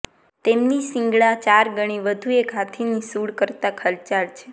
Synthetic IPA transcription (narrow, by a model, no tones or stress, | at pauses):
t̪emnisĩŋɡɭat͡ʃaɾɡəɽ̃iʋəd̪ʱuekɦat̪ʰinisuɽkəɾt̪akʰəlt͡ʃaɾt͡ʃʰe